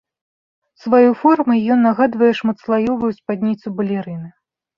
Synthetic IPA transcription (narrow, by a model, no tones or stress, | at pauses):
svajujfɔrmɨjjɔnːaɣad̪vɐjɛʂmɐt̪slˠajɔvujuspad̪ʲnʲit̪subɐlʲɛɾɨnɨ